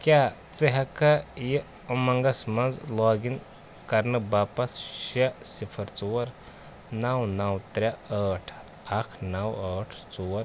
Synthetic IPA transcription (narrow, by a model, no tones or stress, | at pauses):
kʲja | t͡sɐɦɐkɐji | ɐmɐŋɡɐsmɐnzlɔːɡin | kɐɾnɨbapɐsʃɐsipʰɐɾt͡suwɐɾ | nɐwnɐwt̪ɾʲaɐʈʰ | ɐkʰnɐwɐʈʰt͡suwɐɾ